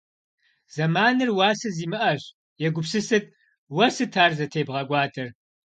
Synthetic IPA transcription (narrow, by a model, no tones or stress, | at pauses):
z̥ɐmaːnɨrwaːsɐziːmɨʔɐɕ | jɛɡʷʊpsɨsɨt̚ʰʼ | wɐsɨtʰaːrzɐtʰeːbʁɐɡʷɑːtʰɐr